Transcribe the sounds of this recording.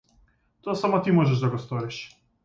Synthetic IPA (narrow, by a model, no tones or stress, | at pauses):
t̪osamot̪imoʒɛʒd̪aɡɔst̪oɾɛʃ